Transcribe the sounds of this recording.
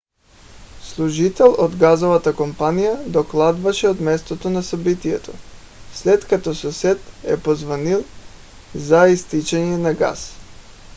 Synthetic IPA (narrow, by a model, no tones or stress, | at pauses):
slˠuʒit̪ɛlˠod̪ɡazovat̪akompanijad̪oklˠad̪vaʃɛod̪mɛst̪ot̪onasabit̪ijɛ̰t̪o | slɛt̪kat̪ɔsɔsɛt̪ɛpozvanilˠ | zaist̪it͡ʃɛɲɛnaɡa̰s